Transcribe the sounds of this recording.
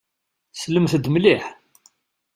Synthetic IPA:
sləmθəd̪mliħ

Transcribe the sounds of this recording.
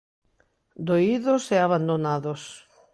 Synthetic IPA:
d̪oiðʊsɛaβand̪onaðos

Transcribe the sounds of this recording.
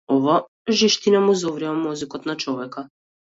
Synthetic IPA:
ɔva | ʒiʃt̪inamuzɔvɾiamɔzikɔt̪nat͡ʃɔvɛka

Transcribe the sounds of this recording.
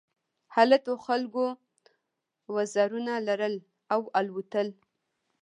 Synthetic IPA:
halat̪oxalɡo | wazɑɾunalaɾəl | awalwut̪əl

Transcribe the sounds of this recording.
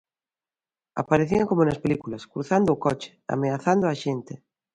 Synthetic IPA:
a̰paɾeθiaŋkomonaspelikulaskɾuθand̪oːkot͡ʃe̥a̰meaθand̪oaʃent̪e

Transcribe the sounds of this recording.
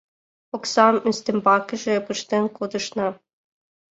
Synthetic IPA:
oksɑmynst̪ĕmbɑkʲɘ̆ʒĕpɯʃt̪enkod̪ɤ̆ʃnɑ

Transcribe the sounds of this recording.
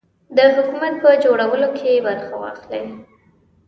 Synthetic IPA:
d̪əɦʊkumat̪̚pəd͡ʒoɽawəlokʰebaɾxawɑ̰xlej

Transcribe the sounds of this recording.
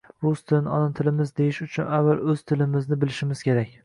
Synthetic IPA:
bʊst̪ʰɪnɒnɒnt̪ʰɪlɪmɪzd̪ejɪʃʊt͡ʃʰʊnavːalˠɵz̥t̪ʰɪlɪmɪznɪbɪlɪʃɪmɪz̥kʲʰe̞ɾakʲ

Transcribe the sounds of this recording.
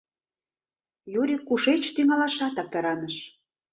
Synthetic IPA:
juɾʲikuʃet͡ɕt̪yŋɑlɑʃɑt̪ɑp̚t̪ɑɾɑnəʃ

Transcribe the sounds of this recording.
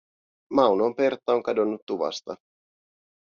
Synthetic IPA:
mɑwnompe̞rt̪ːˑɑo̞ŋkɑdo̞nːut̪ːuʋɑ̰st̪ɑ

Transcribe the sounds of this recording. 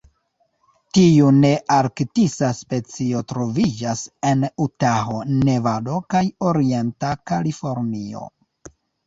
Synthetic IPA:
tiune̞ʔaɾktisaspe̞t͡sio̞tɾo̞vid͡ʒase̞nutaɦo̞ne̞vado̞kajoɾie̞ntakalifo̞ɾnio̞̰

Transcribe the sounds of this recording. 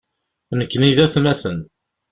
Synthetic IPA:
nəkːniðæθmæθən

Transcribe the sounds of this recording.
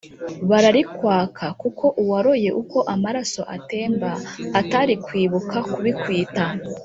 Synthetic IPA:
βaɾaɾikwaːkʰakukʰo̞ʔuwaɾo̞je̞ʔuko̞ʔamaɾaso̞ʔa̰te̞ːmbaːtaɾikwiːβukʰakuβikwiːta

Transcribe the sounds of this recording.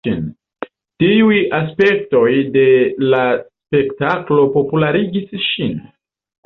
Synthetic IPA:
ḭn | tiujaspe̞kto̞jde̞laspe̞ktaklo̞po̞pulaɾiɡisʃin

